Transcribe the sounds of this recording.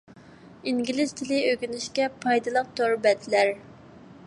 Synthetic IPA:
iŋɡʲilɪz̥t̪ʰɪlɪøkʲynɪʃkʲɛpʰɑjd̪ɨlˠəq̚t̪ʰoɾbɛt̪ʰlæɾ

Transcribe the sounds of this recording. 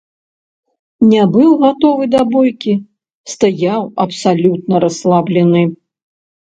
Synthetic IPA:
nʲɛbɨwɣat̪ɔvɨd̪ɐbɔjkʲi | st̪ajawɐpsalʲut̪̚nɐɾɐslˠablʲɛnɨ

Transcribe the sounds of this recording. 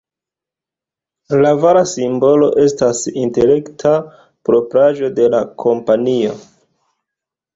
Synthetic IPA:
lavaɾasimbo̞lo̞ʔe̞stasintele̞ktʰa | pɾo̞pɾaʒo̞de̞lakʰo̞mpanio̞

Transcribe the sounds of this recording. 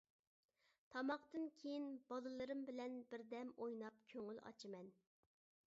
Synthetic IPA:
t̪ʰɑmɑqt̪ɨnkʲʰejinb̥ɑlˠɨlˠɨɾɨmbɪlɛnbɪɾd̪ɛmojnɑp̚kʲʰøŋylɑ̰t͡ʃʰɨmɛn

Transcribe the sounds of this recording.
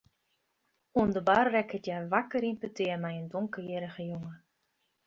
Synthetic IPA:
undəbaːrrɛkhətjaːrʋakəɾimpøtɪːrmɛjəndɔŋkəjɪɾəχəjʊŋə

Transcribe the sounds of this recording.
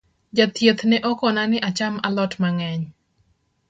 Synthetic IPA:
d͡ʒat̪jət̪nɛʔɔkɔnanɪʔat͡ʃamalɔtmaŋɛɲ

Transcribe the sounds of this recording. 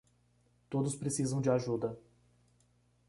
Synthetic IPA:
t̪od̪ʊspɾesizɐ̃w̃d͡ʒɪaʒud̪ɐ

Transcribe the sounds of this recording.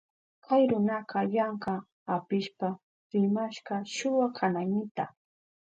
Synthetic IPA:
kʰajɾʊnɑqɑjɑɴɢɑ | apɪʃpa | ɾɪmaʃɢɑʃʊwakʰanajnɪt̪a

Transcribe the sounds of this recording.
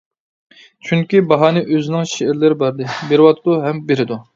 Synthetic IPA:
t͡ʃʰyŋkʲibɑɦɑːnɨʔøzɪnɪŋʃeɪɾlɪɾɪbɑɾd̪ɨbeɾɪwɑt̪ʰd̪uɦɛmbeɾɪd̪u

